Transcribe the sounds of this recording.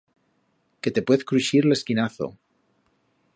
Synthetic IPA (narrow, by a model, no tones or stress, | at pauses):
ke̞t̪e̞pwe̞θkɾuʃiɾle̞skinaθo̞̰